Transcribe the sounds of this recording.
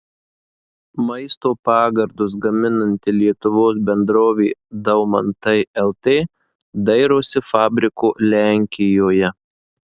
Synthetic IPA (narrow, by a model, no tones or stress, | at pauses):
mɐɪst̪oːpɑːɡɐɾd̪ʊsɡɐmʲɪnɐnʲt̪ʲɪlʲiɛt̪ʊʋoːsbʲɛnd̪ɾoːʋʲeːd̪ɐʊmɐ̰nt̪ɐɪɛlˠt̪ʲeː | d̪ɐɪɾoːsʲɪfɑːbʲɾʲɪkoːlʲæˑŋʲkʲɪjoːjɛ